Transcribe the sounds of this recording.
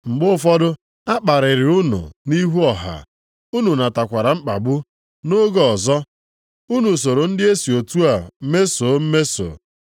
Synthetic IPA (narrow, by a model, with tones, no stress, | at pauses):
ŋ͡m̩˨ɡ͡bʊ˦fɔ˦dʊ˦ | a˦k͡pa˨ɾɪ˨ɾɪ˨ʊ˦nʊ̰˨ni˦ɦu˦ɔ˨ɦa̰˨ | u˦nu˨na˨ta˨kʷa˨ɾa˨ŋ͡m̩˦k͡pa˨bʊ˦ | no˦ɡɔ˦ɔ˨zɔ˦ | u˦nu˨s̬o˨ɾo˨n̩˦dɪ˦e˦si˨o˨tu˦a˨˦me˦so˨˦m̩˦me˦so̰ː˨